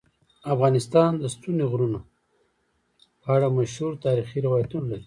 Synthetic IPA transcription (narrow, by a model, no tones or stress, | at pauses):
afɣɑnɪst̪ɑnd̪əst̪uneɣɾuna | pəaɽamaʃhuɾt̪ɑɾixiɾawɑjat̪unalaɾi